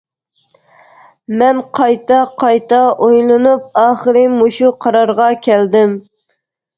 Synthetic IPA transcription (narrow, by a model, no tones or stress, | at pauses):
mɛnqʰɑjt̪ɑqʰɑjt̪ɑʔojlˠɨnup̚ɑːχəɾɪmoʃuqʰɑɾɑɾʁɑkʲʰɛld̪ɪm